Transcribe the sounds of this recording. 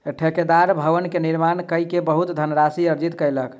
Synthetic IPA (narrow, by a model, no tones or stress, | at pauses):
ʈʰeked̪aɾbʱəʋənkeniɾmankəjkebəɦut̪d̪ʱənɾasiəɾd͡ʒit̪kəjlək